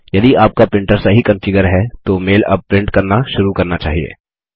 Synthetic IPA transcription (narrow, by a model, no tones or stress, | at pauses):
jɐd̪iaːp̚kapɪ̃ɳʈəɾsaɦikɐ̃mfɪɡəɾɦɛt̪omeːlɐ̰b̚pɾɪ̃ɳʈkɐɾnaʃʊɾukɐɾnat͡ʃaːɦiḛː